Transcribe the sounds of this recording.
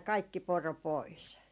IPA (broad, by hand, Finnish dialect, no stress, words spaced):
kɑikːi poro pois